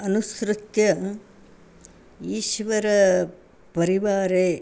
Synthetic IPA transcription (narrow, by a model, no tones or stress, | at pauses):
ɐnusɾɪt̪jɐm | iːʃʋɐɾɐ | pɐɾiʋaːɾeː